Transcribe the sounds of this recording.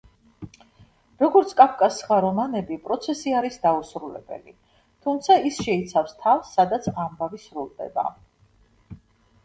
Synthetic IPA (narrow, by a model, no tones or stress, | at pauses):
ɾɔɡɔɾt̪sʰkʼapʰkʼasχaɾɔmanɛbipʼɾɔt̪sʰɛsiaɾisd̪ausɾulɛ̰b̥ɛ̰li | t̪ʰumt̪sʰaisʃɛit̪sʰafst̪ʰafsːad̪at̪sʰambavisɾulˠd̪ɛ̰ba̰